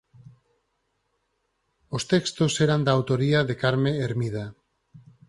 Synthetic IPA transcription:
ost̪ekst̪oseɾand̪aːwt̪o̞ɾiaðekaɾmeːɾmiða

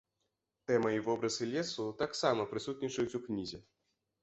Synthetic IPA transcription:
t̪ɛmɐivɔbɾɐzɨlʲɛsut̪aksamɐpɾɨsut̪̚ʲnʲit͡ʂɐjut͡sʲuknʲizʲɛ

